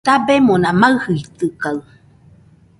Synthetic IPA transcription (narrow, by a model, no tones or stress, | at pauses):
t̪abemonãmaɯhɯit̪ɯkaɨ